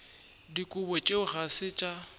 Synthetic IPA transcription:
dikʼʊbɔt͡ʃʼeʊχasɪt͡ʃʼa

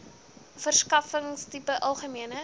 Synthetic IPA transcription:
fərskɐfəŋstipəʔɐlˠχəmiənə

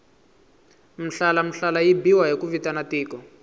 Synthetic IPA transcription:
m̩ɬalam̩ɬalajibiwaɦikuvitanatiːkɔ

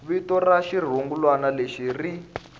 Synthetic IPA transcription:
βitɔraʃir̤uŋɡulwanaleʃiri

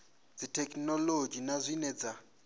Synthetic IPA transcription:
d͡zitʰɛkʼnɔlod͡ʒinazʷinɛd͡za

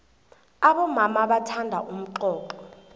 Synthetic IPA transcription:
aɓɔmamaɓatʰandʱaʔum̩ǃɔːǃɔ

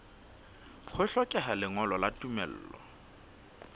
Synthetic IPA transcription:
k͡xʰʊɬɔkʼɛɦalɪŋɔlɔlatʼumɛl̩ːlɔ̰

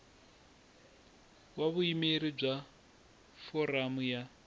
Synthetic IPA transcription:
waβuimeɾib͡ʐa | fɔɾamuja

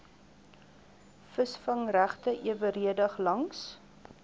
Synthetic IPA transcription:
fəsfɐŋræχtəʔiəvəɾiədɐχlɐŋs

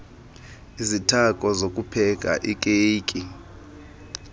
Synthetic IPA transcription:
izitʰakʼɔzokʼupʰɛk̬ʼa̰ʔikʼeːkʼi

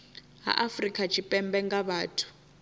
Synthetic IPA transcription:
ɦa̰ʔafrikʼat͡ʃʰipʼɛmbɛŋɡaβaːtʰu̥

